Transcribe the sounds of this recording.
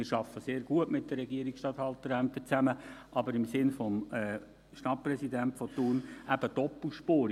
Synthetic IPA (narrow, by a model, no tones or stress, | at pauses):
ɪːɾʃɑfːəseːɾɡuətmɪt̚d̥əːɛɡiəɾiksʃtɑt̪hɑlt̪əɾæmt̪ət͡sæməʔɑbəɾɪmsɪnfɔmɛː | ʃtɑt̚pɾɛsidæntfɔtuːrnʔæb̥əd̥ɔpːl̩ˠʃpoːɾ